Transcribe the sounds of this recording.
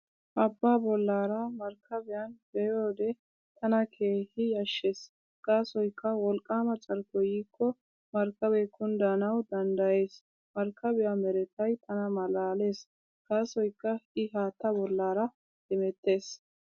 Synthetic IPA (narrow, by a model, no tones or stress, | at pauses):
ʔɐbːaːbɔlːaːɾɐmɐɾkʰːɐbɪjɐnbɛjoːd̪ɛ | t̪ɐnɐkʰe̞ːhɪjɐʃːeːs | ɡ̥aːsɔjkːɐwɔlkʼːaːmɐt͡sʼɐɾkɔjiːkʰːɔ | mɐɾkːɐbɛkʊnd̪anɐwd̪ɐnd̪ɐje̞ːs | mɐɾkʰːɐbɪjamɛɾɛt̪ɐjt̪ʰɐnɐmɐlaːle̞ːs | ɡ̥aːsɔjkːɐɪɦaːt̪ːɐbɔlːaːɾɐ | d̪ɪmɛt̪ːe̞ːs